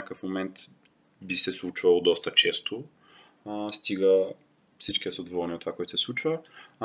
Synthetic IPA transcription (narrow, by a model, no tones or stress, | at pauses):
ɲakəfmomɛnt̪ | bisɛslˠut͡ʃvəlˠd̪ɔst̪ət͡ʃɛst̪o | st̪iɡə | fsit͡ʃkiɐsod̪vɔɾniot̪ːvakɔjt̪ʊ̥sɛslˠut͡ʃvə